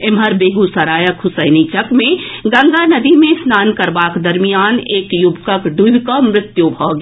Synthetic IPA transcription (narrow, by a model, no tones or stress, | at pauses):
ɪmɦəɾbeːɡusɐɾaːjəkʰʊsəɪnit͡ʃəkmẽɡɐ̃ŋɡ̪anɐd̪imẽsnaːnkɐɾbaːkd̪ɐɾmijaːneːkjʊbkəkɖubkamɾɪt̪jubʱɔɡ